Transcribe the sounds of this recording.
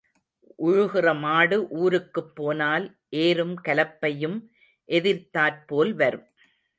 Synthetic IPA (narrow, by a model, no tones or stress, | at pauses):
ʔʊɻʊɣɪrɐmaːɽɯʔuːɾɯkːɯpːoːnaːl | ʔeːɾɯmkɐlɐpːɐjɯm | ʔɛðɪɾt̪aːɾpoːlʋɐɾɯm